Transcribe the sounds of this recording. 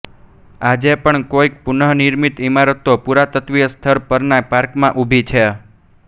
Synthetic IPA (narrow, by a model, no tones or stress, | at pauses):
ad͡ʒepəɳkoik̚punəɦniɾmit̪imaɾət̪ːopuɾat̪ət̪ʋiəst̪ʰəɾpəɾnapaɾkmãʔubʱit͡ʃʰe